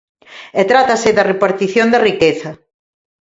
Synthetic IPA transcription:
ɛt̪ɾat̪ɐsɪðɐrepaɾt̪iθjond̪ɐrikeθɐ

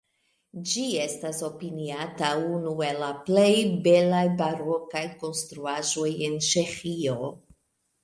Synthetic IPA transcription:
d͡ʒie̞staso̞piniataunue̞laple̞jbe̞lajbaɾokajko̞nstɾuaʒo̞jent͡ʃe̞xio̞

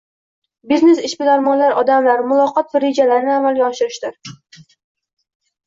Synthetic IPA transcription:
bizne̞sɪʃbɪlaɾmɒnlaɾɒd̪amlaɾmʊlˠɒqɒt̪̚bɪɾed͡ʒalaɾɪnɪamalɡʲaɒʃɪɾɪʃd̪ɪɾ

